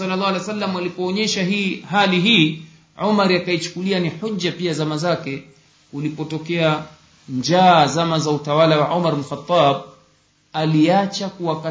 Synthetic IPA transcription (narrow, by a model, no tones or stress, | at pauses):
ɔlːalˠˤːalejsalːamwalipɔːɲɛʃaɦiːhaliɦiː | ʕumaɾiakait͡ʃu̥kulianiħud͡ʒd͡ʒːapiazamazakɛ | ulipɔtɔkɛa | nɲd͡ʒaːzamazautawalawaʕumaɾbl̩xat̪ˤːɑːb̚ | aliat͡ʃakuaka